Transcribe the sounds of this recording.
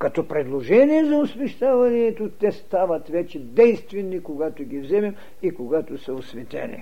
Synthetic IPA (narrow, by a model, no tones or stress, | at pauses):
kɐt̪ɔpɾɛd̪lˠoʒɛniɛzɐosmɛʃt̪avɐniɛt̪ot̪ɛst̪avɐt̪vɛt͡ʃɛd̪ɛjst̪vɛnːikoɡat̪oɡʲivzɛmɛm | ikoɡat̪osɐosvɛt̪ɛ̰nḭ